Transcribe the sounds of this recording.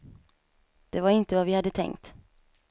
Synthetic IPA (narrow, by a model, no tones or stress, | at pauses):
d̪̥ɛvaɾɪnt̪əvavɪhad̪ːət̪ʰɛ̰ŋkt̪